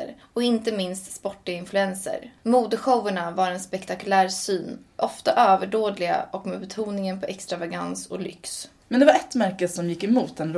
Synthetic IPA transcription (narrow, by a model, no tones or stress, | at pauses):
ɾ | ɔkɪnt̪əmɪnst̪spɔʈːɪɡaɪnflɵɛnsə̰ɾmuːd̪əɧowʊɳavaɾɛnspɛkt̪ʰakɵlæːɾsyːnʔɔft̪aʔøːvəɖoːd̪lɪɡa̰ɔkmeːbɛt̪ʰuːnɪŋənpʰɔʔɛkst̪ɾavaɡansɔlʏ̰ks | mɛnd̪ɛvaɾɛt̪mæɾkəsɔmjɪkːɛmuːt̪̚d̪ɛnɾ